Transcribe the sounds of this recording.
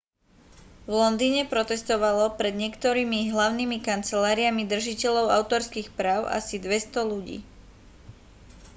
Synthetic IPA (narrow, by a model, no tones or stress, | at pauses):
ʋlɔnd̪iːɲɛpɾɔt̪ɛst̪ɔʋalɔpɾɛd̪ɲɪɛkt̪ɔɾiːmiɦlaʊnimikant͡sɛlaːɾiamid̪r̩ʒicɛʎɔʊa̰ʊt̪ɔɾskixpɾaːʊʔa̰sid̪ʋɛst̪ɔluɟḭː